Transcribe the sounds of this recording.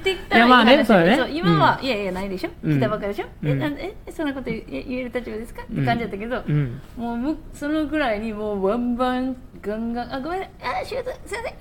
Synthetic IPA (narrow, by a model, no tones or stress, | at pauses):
t̪ːeit̪ːaamaːneesoaːjeneoimaβaʔijajanaid̪eɕokʲit̪aβakad̪eɕod̪enaesõnːako̞t̪oaʔieɾɯt̪at͡ɕibad̪esɨ̥kat̪ːekãɲ̟d͡ʑid̪at̪ːaked̪omoːmɯ̟so̞no̞ɡɯ̟ɾaiɲ̟imoːbãmbãŋ | ɡãŋɡãŋʔaɡoaɕɨɡt̪ost̪e